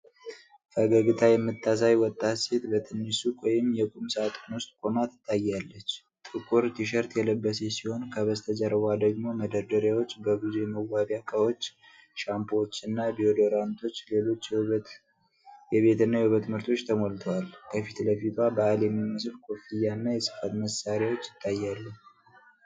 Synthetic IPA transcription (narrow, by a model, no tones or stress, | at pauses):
fəɡəɡɨt̪ʰajɛmːɨt̪ʰːasajwɔt̪ʼːat̪set̪bət̪ʰɨnːisukʰʼojɪmjɛkʼumsat̪ʼnwʊst̪ʼkʷʼo̞mat̪ʰːɨ̥t̪ʰːajːalːət͡ʃː | t̪ʼɨkʼuɾt̪ʰiʃ̬əɾt̪jɛləbːəse̞siho̞nkʰəβəst̪ʰəd͡ʒəɾəwad̪əɡmo̞məd̪əɾd̪əɾjawot͡ʃːbəɡuzuməwabjakʼawo̞t͡ʃː | ʃampʰot͡ʃːɨnːabiod̪oɾant̪ʰo̞t͡ʃːle̞lo̞t͡ʃː | jɛβe̞t̪ɨnːajɛhuβət̪mɨɾt̪ʰo̞t͡ʃːt̪ʰəmolt̪ʰəwalkʰəfit̪ləfit̪ʰabəaljɛmːimːəsfkʰo̞fijanːajɛsɨ̥fat̪məsaɾjawo̞t͡ʃːjɪt̪ʰʼːajːalːəɲ